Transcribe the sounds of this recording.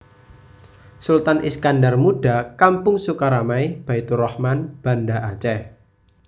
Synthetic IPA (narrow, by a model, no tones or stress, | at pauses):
sult̪anʔḭskandarmuɖ̥a̤kampʊŋsukaɾamaib̥ait̪urɔhmanb̥a̤ndaʔat͡ʃɛh